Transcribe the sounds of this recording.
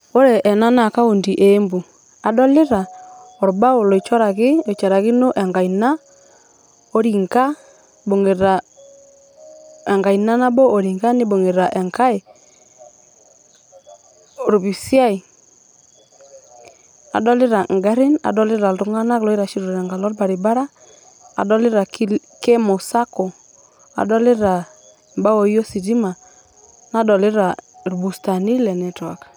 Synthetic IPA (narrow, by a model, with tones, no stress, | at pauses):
o˦ɾɛ˨ʔɛ˨na˦na˨ka˦o˨ndi˨ʔe˨˦mbu˨ | a˨dɔ˦lɪ˦ɾa˨ɔ˨ɾba˦o˨lɔ˨i˨t͡ʃɔ˦ɾa˨kɪ˦ɔ˨t͡ʃa˨ɾa˨kɪ˦no˦ʔɛ˨ŋɡa˨i˨na˦ | o˦ɾi˨ŋka˦ | bo˨ŋe˨ɾa˨ | ɛ˨ŋɡa˨i˨na˦na˦bɔ˦o˨ɾi˨ŋɡa˦nɪ˦bo˨ŋe˨ɾa˨ʔɛ˨ŋka˦e˨ | ɾu˨bi˨si˦a˦i˨ | a̰˨dɔ˦li˦ɾa˨ŋ˨ɡa˦ɾi˦na̰˨dɔ˦lɪ˦ɾa˨lɾu˨˦ŋa˦na˦klɔ˨˦i˦ɾa˨ʃi˦ɾu˨ɾa˨ŋɡa˨lɔ˦lba˨ɾi˨ba˦ɾa˦ | a̰˨dɔ˦li˦ɾa˨k | ke˦mo˨sa˦kɔ˨ | a̰˨dɔ˦lɪ˦ɾa˨ | mba˦wo˨jo˦si˨di˦ma˨ | na˦dɔ˨lɪ˦ɾa˨ɾu˨bu˨sta˨ni˦lɛ˨nɛ˨twa˨k